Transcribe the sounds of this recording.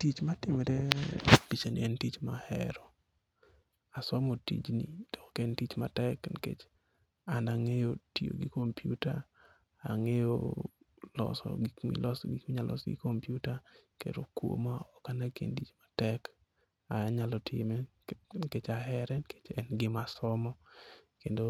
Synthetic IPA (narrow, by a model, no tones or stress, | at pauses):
tit͡ʃmatɪmɛɾepit͡ʃanɪ̰ɛntit͡ʃmahɛ̰ɾɔ | asɔmotḭd͡ʒnḭd̥ɔkkɛntit͡ʃmatɛknkḛt͡ʃ | anaŋejotio̰ɡɪkompʰjuta | aŋejo | lɔ̰sɔ̰ɡimḭlɔsɡikmiɲalʔɔ̰sɡɪ̰kompjutakḛɾokwo̰maɔkanakḛntit͡ʃmatɛk | aɲalɔtʰɪmɛ | nket͡ʃaɦɛɾɛnket͡ʃɛnɡɪmasɔmɔkendo